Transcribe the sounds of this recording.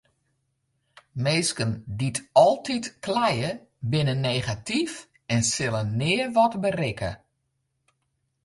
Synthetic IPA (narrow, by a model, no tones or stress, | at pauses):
meːskənditɔlˠtitklɛjə | bɪnənːejɣatif | ɛnsɪlənːɪːʋɔtbərɪkə̰